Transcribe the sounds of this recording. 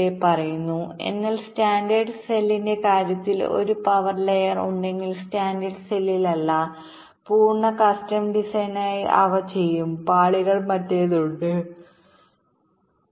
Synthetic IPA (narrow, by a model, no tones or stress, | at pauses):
epɐrɐjunːue̞̰nːɐlstaːndɐrɖselːinde̞kaːɾjɐt̪ːilo̞̰ɾupɐʋɐrlejɐrṵɳɖe̞ŋɡilstaːndɐrɖselːilɐlːɐ | puːrɳːɐkɐstɐmɖisɐjnaːjiʔɐ̰ʋɐt͡ɕe̞jːumpaːɭiɣɐɭmɐtːeːðuɳɖɨ